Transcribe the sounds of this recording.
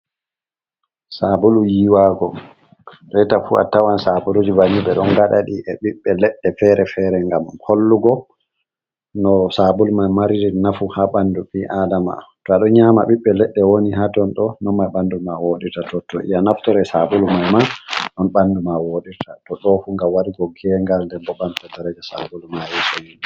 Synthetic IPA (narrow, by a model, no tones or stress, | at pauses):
sabulujiwaːɡɔ | ɾɛjtafua̰tawansabulud͡ʒibamiɓɛɗɔnɡaɗa̰ɗiʔɛɓiɓːɛlɛɗːɛfɛɾɛfɛɾɛŋɡamkʰolːuɡɔ | nɔsabulmajmaɾiɾinafuhaɓanduɓiʔadama̰tɔaɗɔɲama̰ɓiɓːɛlɛɗːɛwoniɦatɔnɗɔnɔmːajɓandumawoːɗitatɔtɔʔḭjanaftɔɾɛsabulmajmaɗɔnɓandumawoɗitʰatɔɗɔfuŋɡawaɾiɡɔɡɛŋɡalndɛbɔbantɛdɛɾɛd͡ʒɛsa̰bulmajisɔjini